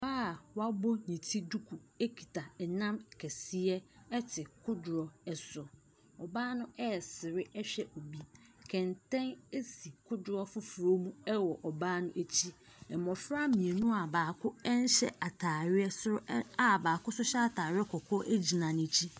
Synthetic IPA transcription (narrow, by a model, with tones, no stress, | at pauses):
baː˦˨wa˦bɔ˦ɲĩ˨tʰi˦du˦kʰu˨e˦kʰi˨tʰa˨ɛ˨nã˦mkʰɛ˨si˦ɛ˦ɛ˦tʰɪ˨kʰʊ˦dʊ˨ɾɔ˨ɛ˨sʊ˨ | ɔ˨baː˦nʊ̃˦ɛ˦˨sɪ˨ɾɪ˦ɛ˦ɕᶣɛ˦ʔo˨bi˦kʰɛ̃˨ntʰɛ̃˦ne˦si˨kʰʊ˦dʊ˨ɾɔ˦fʊ˦fu˨ɾo˦mũ˦ɛ˦wɔ˨ʔɔ˨baː˦nʊ̃˦ʔe˦˨t͡ɕʰi˦ | ɛ˨mɔ˨fɾa˦mĩ˨e˨nũ˦a˨baː˨kʰʊ˦ɛ˦n˦ɕɛ̰˦ʔa˨tʰaː˨ɾɪ˦ɛ˦sʊ˦ɾʊ˦a˨baː˨kʊ˦sʊ˦ɕɛ˦a˦tʰaː˨ɾɪ˦ɛ˦kʰɔ˨kʰɔ˦ʔe˦d͡ʑi˨nã˨nɪ̃˨˦t͡ɕʰi˦